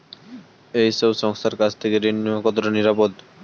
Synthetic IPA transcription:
ejʃobʃɔŋst̪ʰaɾkat͡ɕʰt̪ʰekeɾinːiakɔt̪oɾoniɾapod̪

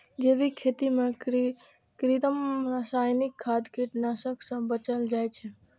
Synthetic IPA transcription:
d͡ʒeʋikʰet̪imã | kɾit̪əmɾasajnikʰːad̪keʈnasəksə̃bət͡ʃəld͡ʒajt͡ʃʰe

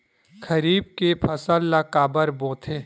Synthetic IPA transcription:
kʰɐɾiːb̚kepʰɐsəlːakaːbəɾbõːt̪ʰe

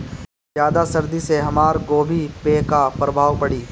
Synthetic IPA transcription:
zjaːd̪asɐɾd̪iseɦɐmaːɾɡoːbʱipeːkapɾɐbʱaːʋpɐɽiː

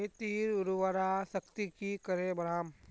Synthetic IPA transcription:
et̪iːɾʊɾuʋaɾasəkt̪ikikɐɾebɐɾaːm

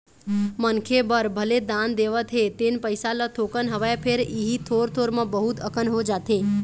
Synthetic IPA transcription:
mənkʰebəɾbʱəled̪ãnd̪eʋət̪ʰet̪enpəjsalat̪ʰokənɦəʋajapʰeɾiɦit̪ʰoɾt̪ʰoɾmãbəɦut̪əkənɦod͡ʒat̪ʰe

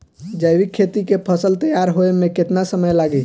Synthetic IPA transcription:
d͡ʒəjʋikʰːet̪ikepʰəsəlt̪əjaɾɦoemẽket̪nasəməjlaɡi

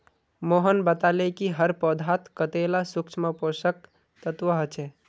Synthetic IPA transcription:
moɦənbət̪alekiɦəɾpɔd̪ʱat̪kət̪elasukt͡ʃʰməposək̚ | t̪ət̪ʋəɦət͡ʃʰe

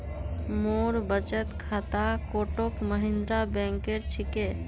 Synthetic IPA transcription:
moɾbət͡ʃət̪kʰat̪akoʈokməɦĩnd̪ɾabɛ̃ŋkeɾt͡ʃʰike

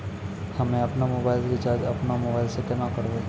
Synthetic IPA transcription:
həmẽɐpnamobaːɪlɾɪt͡ʃaːd͡ʒɐpnamobaːɪlseʈenakəɾʋe

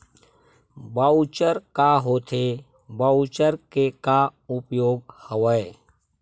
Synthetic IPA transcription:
bəut͡ʃəɾkaɦoːt̪ʰe | bəut͡ʃəɾkekaʊpjoːɡ̚həʋəe

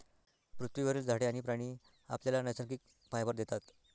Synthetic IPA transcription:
pɾut̪ʰʋiʋəɾeːld͡zʱaɽeaɽ̃ipɾaɽ̃iː | a̰pljalanəjsəɾkiːk | fajbəɾd̪et̪at̪

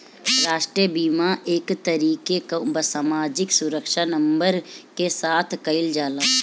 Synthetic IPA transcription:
ɾaːʃʈɾijəbiːmaʔeːkt̪əɾiːkekobəsaːmaːd͡ʒɪksʊɾəkʃanɐ̃mbəɾkesaːt̪ʰkɐɪld͡ʒaːlaː

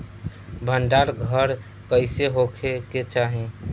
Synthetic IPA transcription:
bʱəɳɖaɾɡʱəɾ | kəɪseɦokʰeket͡ʃaɦẽ

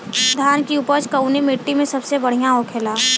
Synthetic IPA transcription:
d̪ʱjaːnkiupət͡ʃkəunimeːʈːimẽsɐbsebɐɽ̤ijãɔːkʰelaː

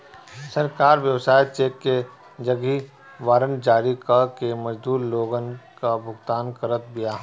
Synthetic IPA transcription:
sɐɾkaːɾʋjɐʋsaːjt͡ʃeːkːe | d͡ʒɐɡi | ʋaːɾənd͡ʒaːɾikakemɐd͡ʒd̪uːɾloːɡənkabʱʊɡt̪aːnkəɾət̪̚bijaːɦ

